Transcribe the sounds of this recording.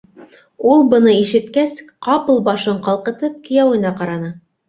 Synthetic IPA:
ulˠbɤ̆nɤiʃɘ̆t̪kæsqɑpɤlˠbɑʃɤɴqɑlˠqɤ̆t̪ɤp̚kɘ̆jæwɘ̆nɑqɑɾɑnɤ

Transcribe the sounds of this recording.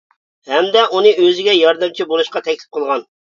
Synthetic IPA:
hɛmd̪ɛʔunɨʔøzɪɡʲɛjɑɾd̪ɨmt͡ʃʰibolˠuʃqɑt̪ʰɛkʲlɪ̥p̚qʰəlˠʁɑn

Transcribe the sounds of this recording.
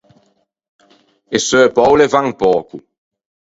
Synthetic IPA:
esøːpɔwlevaŋpɔːku

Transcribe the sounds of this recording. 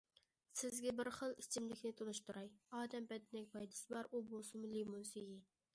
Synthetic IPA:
sɪzɡʲɛbɪɾχəlˠit͡ʃʰimlɪkʲnɪt̪ʰolˠɨʃt̪ʰuɾɑjɑːd̪ɛmbɛd̪ɪnɛkʲpʰɑjd̪ɨ̥sɨbɑɾubolˠsɨmʊlemunsiji

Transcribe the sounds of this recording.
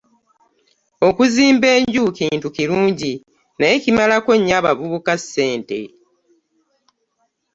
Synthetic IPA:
o̞kuziːmbe̞ːɲɟuːkiːntukiɾuːɲɟi | najecimalako̞ɲːaβavuβukasːe̞ːnte̞̰

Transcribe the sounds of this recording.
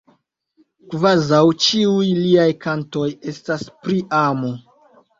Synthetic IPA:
kvazawt͡ʃiujliajkanto̞je̞staspɾiʔamo

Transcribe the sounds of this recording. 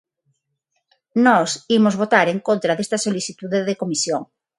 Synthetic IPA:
nɔsimozβot̪aɾeŋkont̪ɾɐðest̪ɐsoliθit̪uðeðekomisjoŋ

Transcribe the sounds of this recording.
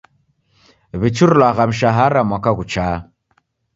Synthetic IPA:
βit͡ʃuɾulaɣam̩ʃaɦaɾamwakaɣut͡ʃa

